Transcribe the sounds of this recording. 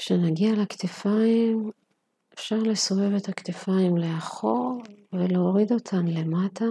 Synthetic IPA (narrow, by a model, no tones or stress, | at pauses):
kʃenaɡialaktefaim | efʃaʁle̞so̞ve̞ve̞takt̪efaimleaχo̞ʁveleoʁido̞tʰanle̞matʰa